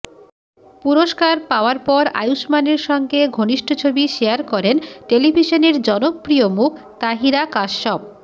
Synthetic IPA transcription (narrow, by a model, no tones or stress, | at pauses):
puɾoʃkaɾpaoaɾpɔɾa̰juʃmaneɾʃɔŋɡeɡʱoniʃʈʰot͡ɕʰobiʃeaɾkɔɾenʈelibʱiʃoneɾd͡ʑɔnopːɾiomukʰ | t̪aɦiɾakaʃʃɔb̚